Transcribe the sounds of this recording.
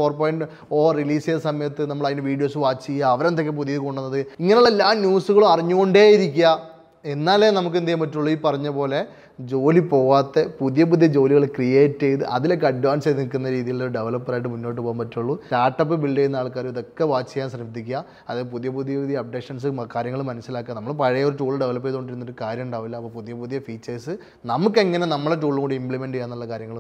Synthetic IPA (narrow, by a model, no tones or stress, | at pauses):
fo̞ːrpo̞ːjiɳɖɨ | oːriliːsɐsɐmɐjɐt̪ːɨnɐmːɐɭɐðinɨʋiːɽijo̞ːsɨʋaːt͡ɕːikiːaːʋɐɾent̪ːokːepuðijɐðko̞ɳɖunːɐðɨiŋːɐneuɭːelːaːmnjuːsuɣɐɭumɐriɲːukoɳɖeːjiɾikʲːuɐ | enːaːlenɐmuk̬ːend̪ijɐmpɐtːuɭːuipɐrɐɲːɐpo̞ːle̞ | d͡ʑo̞ːlipo̞ːʋaːt̪ːe̞puðijɐpuðijɐd͡ʑo̞ːliɣɐɭkrijeːtːejt̪ɨʔɐðilokːeɐɖʋaːnseðinikːunːɐɾiːðijiloɾuɖe̞ʋɐlɐpːɐraːjiʈ̬ːɨmunːo̞ːʈ̬ːɨpoːumpɐtːuɭːuʈaːɾʈːɐpːɨbiɭɖejunːaːɭkaːɾumiðo̞kːeʋaːt͡ɕːɐkjaːnsrɐmt̪ːikʲːɐ | ɐðaːpuðijɐpuðijɐpuðijɐːp̚ɖekʂɐns̬ɨkaːɾjɐŋːɐɭumɐnɐsːilaːkːɐnɐmːɐɭpɐɻɐjɐoɾuʈuːɭɨɖe̞ʋɐlɐp̬ːeðoɳɖiɾunːoɾkaːɾjɐmuɳɖaːʋilːɐɐpːoːpuðijɐpuðijɐfiːt͡ɕːɐrsɨ | nɐmukːe̞ŋːɐne̞nɐmːɐɭeʈ̬uːɭːŋoɳɖɨimpɭime̞ɳɖɨijaːnːuɭːɐkaːɾjɐŋːɐɭ